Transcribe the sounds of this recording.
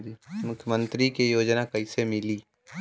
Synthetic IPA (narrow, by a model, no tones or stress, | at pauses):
d̪imʊkʰjəmə̃nt̪ɾikejoːd͡ʒnakɐisemɪliː